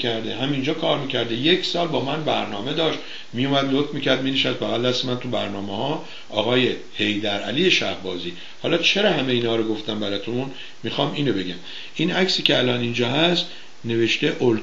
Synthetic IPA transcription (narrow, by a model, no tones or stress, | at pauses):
æɾd̪eɦæmind͡ʒɒːkʰɒːɾmiːcʰæɾd̪ejekʰsɒːlbɒːmænbæɾnɒːme̞d̪ɒːʃt̪ | mijumæd̪lot̪ʰmiːcʰæɾd̪mineʃæst̪̚bæɣælːæsmænt̪ʰubæɾnɒːmehɒː | ʔɒːɣɒːje̞ | he̞jd̪æɾæ̰lijeʃæhbɒːziː | hɒːlɒt͡ʃʰe̞ɾɒːhæmeiːnhɒːɾoɡo̞ft̪æmbæɾɒt̪ʰun | mixɒːmiːnobe̞ɡæm | ʔinæksiːcʰʲeælɒːnind͡ʒɒːɦæst̪ | ne̞ve̞ʃt̪eʔol